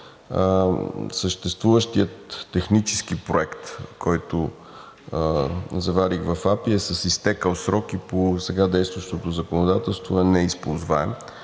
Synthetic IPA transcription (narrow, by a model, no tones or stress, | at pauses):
səʃt̪ɛst̪vuvəʃt̪iət̪ːɛxnit͡ʃɛ̥skipɾoɛkt̪kɔjt̪o | zɐvaɾixvɐfapiɛsəsist̪ɛkəlˠsɾɔkiposɛɡad̪ɛjst̪vəʃt̪ot̪ozəkonod̪at̪ɛlˠst̪voɛnɛispolˠzvaɛm